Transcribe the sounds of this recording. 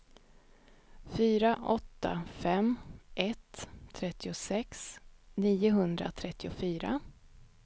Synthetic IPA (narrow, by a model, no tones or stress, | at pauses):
fyːɾaʔɔt̪ːa̰fɛmʔɛt̪ʰːɾɛt̪ːɪʊsɛksniːʊɦɵnd̪ɾa̰t̪ʰɾɛt̪ːɪʊfyːɾa̰